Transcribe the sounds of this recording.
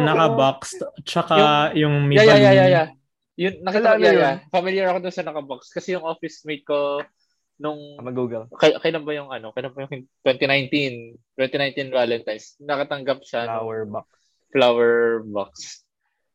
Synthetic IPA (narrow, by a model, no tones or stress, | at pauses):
nɐkɐbakst͡ʃɐkajʊŋmijajajajaja | jʊnnɐkɐaaafɐmiljɐɹɐkod̪ʊnsɐnɐkɐbakst̪̚kɐsɛjʊŋʔofɪsmejt̪̚ko̞ | nʊŋmɐɡuɡlkɐjkɐjlambɐjʊŋʔɐno̞kɐjlɐmbɐjʊŋt̪wɛnt̪inajnt̪int̪wɛnt̪inajnt̪invalɛnt̪ajsnɐkɐt̪ɐŋɡɐp̚ʃaw | flawɛɹbaks